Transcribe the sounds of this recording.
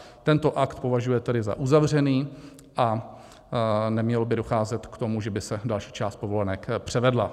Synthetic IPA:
t̪ɛnt̪o̞ʔakt̪po̞vaʒujɛt̪ɛdɪza̰ʔuzavr̝ɛniː | ʔa | nɛmɲɛlobɪdoxaːzɛt̪kt̪o̞muʒɛbɪsɛdalʃi̥ːt͡ʃaːst̪̚po̞vo̞lɛnɛkpr̝̥ɛvɛdla

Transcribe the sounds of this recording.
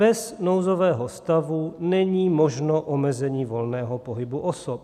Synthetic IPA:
b̥ɛznowzovɛːɦost̪avunɛɲiːmoʒnoʔomɛzɛɲiːvolnɛːɦopoɦɪbuʔosop̚

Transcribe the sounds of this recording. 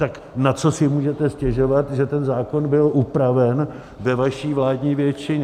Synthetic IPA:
t̪ak | nat͡so̞sɪmuːʒɛt̪ɛscɛʒo̞vat̪ʒɛt̪ɛnzaːko̞nbɪlʔupɾavɛn | vɛvaʃiːvlaːdɲiːvjɛt͡ʃɪɲ

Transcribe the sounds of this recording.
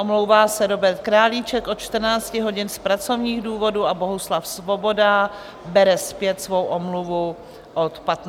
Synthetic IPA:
omlowvaːsɛɾo̞bɛɾt̪̚kɾaːliːt͡ʃɛkʔo̞t̪t͡ʃt̪r̩naːt͡scɪɦo̞ɟɪnspɾat͡so̞vɲiːɣduːvo̞duabo̞ɦuslafsvo̞bo̞da | bɛɾɛspjɛt̪svo̞wʔomluvu | ʔot̪pat̪

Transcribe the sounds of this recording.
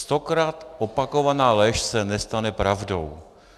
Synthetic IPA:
st̪o̞kɾaːt̪ʔopako̞vanaːlɛʃsɛnɛst̪anɛpɾavdo̰w

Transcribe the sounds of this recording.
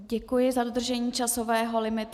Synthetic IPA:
ɟɛkujɪzadod̪r̩ʒɛɲiːt͡ʃasovɛːɦo̞lɪmɪt̪

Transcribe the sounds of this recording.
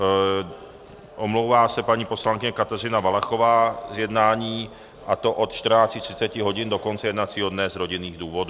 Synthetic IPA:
ʔomluwvaːsɛpaɲiːposlaŋkɪɲɛkat̪ɛr̝ɪnavalaxovaːzjɛd̪naːɲiː | ʔat̪oʔot̪t͡ʃt̪r̩naːt͡scɪt̪r̥ɪ̥t͡sɛcɪɦoɟɪndokont͡sɛjɛd̪nat͡siɦod̪nɛzɾoɟɪniːɣd̪uːvoduː

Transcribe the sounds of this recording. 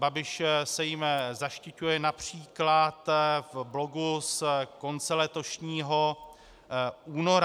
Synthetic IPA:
babɪʃsɛjɪmzaʃcɪcujɛnapr̝̥iːklat̪vblo̞ɡusko̞nt͡sɛlɛt̪o̞ʃɲiːɦo̞ | ʔuːnoɾ

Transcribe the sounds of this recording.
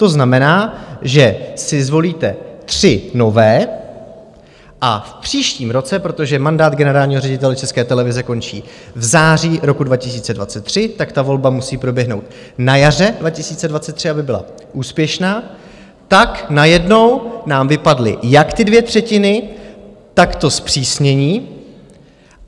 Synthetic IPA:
t̪o̞znamɛnaːʒɛsɪzvo̞liːt̪ɛt̪r̥ɪno̞vɛː | ʔa̰fpr̥iːʃciːmɾo̞t͡sɛpɾo̞t̪o̞ʒɛmandaːd̪ɡɛnɛɾaːlɲiːɦo̞rɛɟɪt̪ɛlɛt͡ʃɛskɛːt̪ɛlɛvɪzɛko̞nt͡ʃḭːvzaːr̝iːɾo̞kudvacɪs̬iːt͡sɛdvat͡sɛt̪ːr̝̥ɪt̪akt̪avo̞lbamusiːpɾo̞bjɛɦno̞wt̪ | najar̝ɛdvacɪsiːt͡sɛdvat̪t͡sɛt̪ːr̥ɪabɪbɪla̰ | ʔuːspjɛʃnaː | t̪aknajɛdno̞wnaːmvɪpadlɪ̰jakt̪ɪdvjɛt̪r̝̥ɛcɪnɪ | t̪akt̪o̞spr̥iːsɲɛɲiː

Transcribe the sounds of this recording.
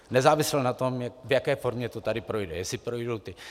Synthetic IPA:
nɛzaːvɪslnat̪omjvjakɛjfoɾmɲɛt̪ot̪adɪpɾojdɛ̰jɛsɪpɾojdowt̪ɪ

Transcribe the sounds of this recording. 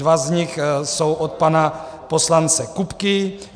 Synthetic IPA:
vazɲɪxsowʔot̪̚pana | poslant͡sɛkupkɪ

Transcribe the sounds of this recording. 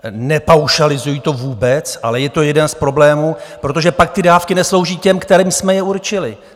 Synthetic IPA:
nɛpawʃalɪzujiːt̪o̞vuːbɛt͡sʔa̰lɛjɛt̪o̞jɛdɛnspɾo̞blɛːmuːpɾo̞t̪o̞ʒɛpak̚t̪ɪdaːfkɪnɛslo̞wʒiːcɛmkt̪ɛɾiːmsmɛjɛuɾt͡ʃɪlɪ

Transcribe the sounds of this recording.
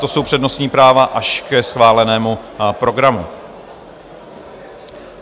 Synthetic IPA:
t̪o̞so̞wpr̥ɛdno̞sɲiːpɾaːvaʔaʃkɛsxvaːlɛnɛːmupɾo̞ɡɾamu

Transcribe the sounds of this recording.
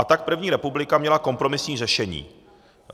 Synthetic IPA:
at̪ak̚pɾr̩vɲiːɾɛpublɪkamɲɛlako̞mpɾo̞mɪsɲiːrɛʃɛɲḭː

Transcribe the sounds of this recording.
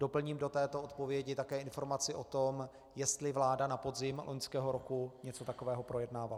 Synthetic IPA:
d̥o̞pl̩ɲiːmdo̞t̪ɛːt̪oʔot̪po̞vjɛɟɪt̪akɛːʔɪnfo̞ɾmat͡sɪʔo̞t̪o̞m | jɛst̪lɪvlaːdanapo̞dzɪmlʔoɲskɛːɦo̞ɾokuɲɛt͡so̞t̪ako̞vɛːɦo̞pɾo̞jɛdnaːval

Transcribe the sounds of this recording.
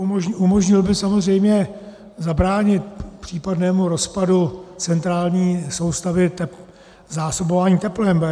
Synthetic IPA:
ʔumo̞ʒɲɪlbɪsamozr̝ɛjmɲɛ | zabɾaːɲɪt̪̚pr̝̥iːpadnɛːmuɾo̞spadut͡sɛnt̪ɾaːlɲiːso̞wst̪avɪt̪ɛ | zaːso̞bovaːɲiːt̪ɛplɛm

